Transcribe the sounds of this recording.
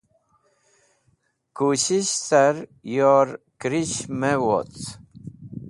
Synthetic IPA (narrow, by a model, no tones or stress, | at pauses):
kuɕiɕsɐɾjoɾ | kɾiɕmewo̰t͡s